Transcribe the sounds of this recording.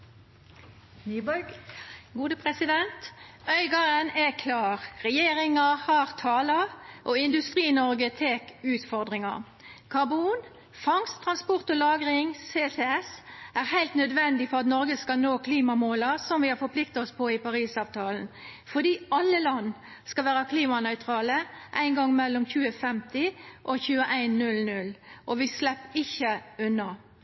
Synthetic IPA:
nyːbɡɡuːd̪əpʰɾɛsɪd̪ɛnt̪œʏɡɑɾənɛkʰlɑːʁʁɛjeːɾɪŋɑhɑʁt̪ʰɑːlɑʔɔɪnd̪ʉst̪ɾiːnɔʁɡət̪ʰeːkʉːt̪fɔʁd̪ʁɪŋɑ̰ | kʰɑʁbuːn | fɑŋst̪ʰɾɑnspɔʁt̪ɔlɑːɡʁɪŋseːsɛɛsæʁhæɪlt̪nœd̪ʋɛnd̪ɪfɔʁɑt̪nɔʁɡəskɑlnoːkʰliːmɑmoːləsɔmʋɪɑɾfɔpʰlɪk̚t̪ɑɔspʰɔɪpɑʁiːsɑːʋt̪ʰɑːlənfɔd̪iːɑlːəlɑnː | skɑlʋæːʁɑkʰliːmɑnœʏt̪ʰɾɑːləʔæ̰ɪnɡɑŋːmɛlːɔmçʉːəfɛmt̪ɪʔɔçʉːəʔæɪnːʉlnʉlʔɔʋɪslɛpːɪçːəʉnːɑ

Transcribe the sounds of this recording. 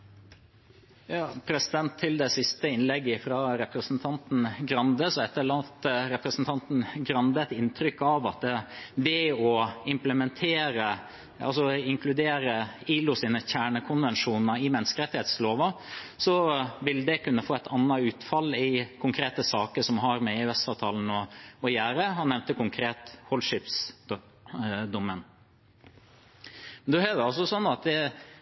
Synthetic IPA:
jɑːpʰɾɛsɪd̪ɛnt̪ʰːɪld̪ɛsɪst̪əɪnlɛɡːəfɾɑɾɛpɾəsn̩t̪ʰɑnt̪n̩ɡɾɑnd̪əsɔɛt̪ːəɭɑt̪ɾɛpɾəsn̩t̪ʰɑnt̪n̩ɡɾɑnd̪əɛt̪ɪnt̪ʰɾʏkːɑʋɑt̪̚d̪ɛʋɛɔɪmpləmɛnt̪ʰeːɾə | ɑ̰lsɔɪŋkʰlʉd̪eːɾəiːlʊsiːnəçæːɳəkʰʊnʋɛnʂuːnəɪmɛnskəɾɛt̪ɪheːt̪sloːʋɑsɔʋɪld̪ɛkʉnːəfoːɛt̪ʰɑnːɑʉːt̪fɑlːɪkʰʊŋkʰɾeːt̪əsɑːkəʂɔmɦɑɾmɛɪʋɛst̪ɑʋt̪ʰɑln̩ɔɔjæːɾəhɑnːɛʋnt̪əkʊŋkʰɾeːt̪hɔlʂɪps | d̪ʊmən | mɛnd̪ɛhøːʋəɑlsɔsɔnːɑt̪̚d̪ɛ

